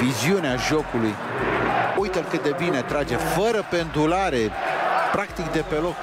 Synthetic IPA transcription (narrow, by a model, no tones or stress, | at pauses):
viziuneaʒo̞kuluj | ujt̪əlkɨt̪̚d̪e̞bine̞t̪ɾad͡ʒefəɾəpe̞nd̪ulaɾe̞pɾakt̪ikd̪e̞pe̞lo̞k